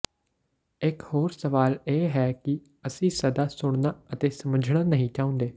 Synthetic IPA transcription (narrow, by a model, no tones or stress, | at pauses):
ɪkhoːɾsəʋaːleːɦɛːkɪ | əsĩːsəd̪aːsʊɳ̃naːət̪eːsəməd͡ʒʱɽaːnəɦĩːt͡ʃaːʊ̃nd̪eː